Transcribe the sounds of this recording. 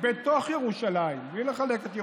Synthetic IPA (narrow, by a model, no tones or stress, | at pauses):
bet̪o̞χjeʁuʃalaimblileχale̞ket̪je